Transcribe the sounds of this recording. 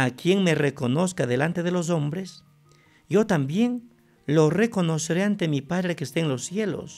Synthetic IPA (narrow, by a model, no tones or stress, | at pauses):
akje̞ŋme̞re̞ko̞no̞skaðe̞lant̪eðe̞lo̞s̬o̞mbɾe̞s | jo̞t̪ambje̞ŋ | lo̞re̞ko̞no̞seɾeant̪emipaðɾe̞keːst̪eːnlo̞sːje̞lo̞̰s